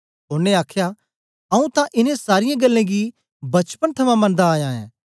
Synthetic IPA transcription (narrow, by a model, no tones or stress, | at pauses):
ɦʊːneaːkʰja | ɐũt̪ãʔɪnẽsaːɾɪjãɡɐlːẽɡi | bɐt͡ʃpənt̪ʰɐmãmɐ̃nd̪aːjãːɛ̰̃ː